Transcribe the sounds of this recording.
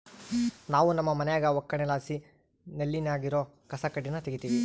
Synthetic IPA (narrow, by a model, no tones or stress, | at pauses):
naːʋunɐmːɐmɐnɛjaːɡɐwɔkːɐɳɛlaːsi | nelːinaːɡiɾo̞ː | kɐsɐkɐɖːinːɐt̪eɡit̪iːʋi